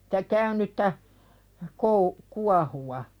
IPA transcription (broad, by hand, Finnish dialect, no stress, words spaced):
stæ kæynytːæ kou kuɑhuwɑ